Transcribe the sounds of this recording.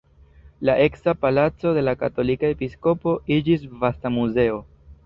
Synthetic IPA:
laʔe̞ksapalat͡so̞de̞lakato̞likae̞pisko̞po̞id͡ʒisvastamuze̞o̞

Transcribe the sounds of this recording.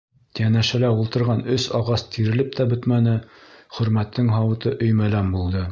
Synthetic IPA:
jænæʃælæulˠt̪ɤ̆ɾʁɑnɵsɑʁɑst̪ʰiɾɘ̆lɘp̚t̪æbɵt̪mænɘχɵ̆ɾmæt̪ːɘŋɦɑwɤ̆t̪ɤʔɵ̆jmælæmbulˠd̪ɤ

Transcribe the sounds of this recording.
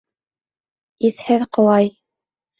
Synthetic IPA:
iθhɘðqŏlˠɑj

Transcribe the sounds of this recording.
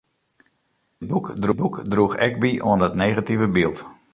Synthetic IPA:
əd̚bukdrubukdruxɛ̰kbiʔuənətnejɣativəbilˠt

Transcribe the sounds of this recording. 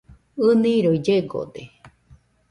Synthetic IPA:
ɨnĩɾoid͡ʒeɡo̰d̪e

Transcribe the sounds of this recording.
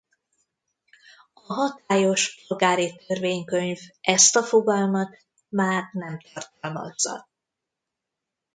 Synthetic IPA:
ɒɦɒt̪aːjo̞ʃpolɡaːɾit̪ørveːɲkøɲvʔɛst̪ɒfo̞ɡɒlmɒt̪ | maːrnɛmt̪ɒrt̪ɒlmɒ̰zːɒ̰

